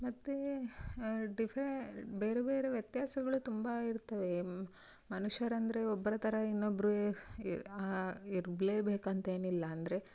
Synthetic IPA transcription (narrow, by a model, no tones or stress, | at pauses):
mɐt̪ːe | ɖipʰɾebeːɾebeːɾeʋjɐt̪jaːsɐɡɐɭut̪umbɐiɾt̪ɐʋe̞ | mɐnuʂɐɾɐnd̪ɐɾe̞ɔbːɐɾɐt̪ʰɐɾɐinːobːɐɾu | iɾbleːbeːkɐnt̪ɐe̞ːnilːɐːnd̪ɐɾe̞